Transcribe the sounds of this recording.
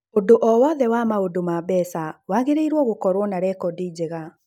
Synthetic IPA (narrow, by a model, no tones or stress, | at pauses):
odoʔɔwɔðɛwamaodomabɛsawaɣeɾeiɾwɔɣokɔɾwɔnaɾɛkɔdiːd͡ʑeɣa